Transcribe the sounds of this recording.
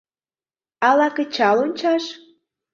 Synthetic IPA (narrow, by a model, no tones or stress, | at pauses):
ɑlɑkə̆t͡ɕɑlonʲt͡ɕɑʃ